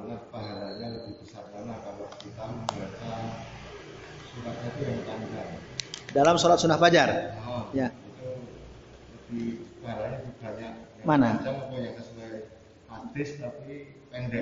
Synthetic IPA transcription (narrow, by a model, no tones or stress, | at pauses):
anahpaɦalaɲalat̪ipəsat̪̚manakanakit̪aəbiasa | sunatat̪ujaŋt̪andaŋdalamsolat̪sunahpad͡ʒarajait̪u | ət̪ibaɾaɲad͡ʒibaɲaʔjamanad͡ʒaməbaɲakansulaj | at̪ɪst̪api | pɛndɛ